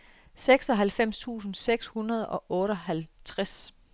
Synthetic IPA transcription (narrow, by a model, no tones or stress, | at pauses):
seɡ̥sɒ̽ɦælfem̰st͡sʰṵːsn̩seɡ̥shunɐð̞̩ˠɒ̽ʔɔ̽ːɾɒɦælt͡sʰʁas